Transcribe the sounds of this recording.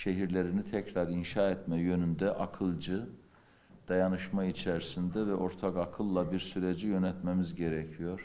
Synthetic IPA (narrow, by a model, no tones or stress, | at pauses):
ʃe̞ɦiɾlʲe̞ɾinit̪ʰɛcɾaɾinʃaːɛt̪mɛjø̞nynd̪ɛʔakʰɯlˠd͡ʒɯ | d̪̥ajanɯʃmait͡ʃʰɛɾsind̪ɛvɛʔo̞ɾt̪ʰakakʰɯlˠːabiɾsyɾed͡ʒijø̞nɛt̪memizɟe̞ɾɛcʰijo̞ɾ̥